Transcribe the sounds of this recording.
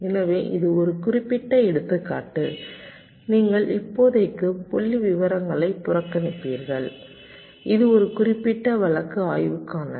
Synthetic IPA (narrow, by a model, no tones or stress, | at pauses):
ɛnɐʋeːʔɪ̰ðɯɔɾɯkʊrɪpːɪʈːɐɛɽɯt̪ːɯkːa̰ːʈːɯ | niːŋɡɐɭʔɪpːoːðɐɪkːɯpɔɭːiʋɪʋɐɾɐŋɡɐɭɐɪpːʊrɐkːɐnɪpːiːɾɣɐɭ | ʔɪðɯɔɾɯkʊrɪpːɪʈːɐʋɐɭɐkːɯaːjʋɯkːaːnɐ̰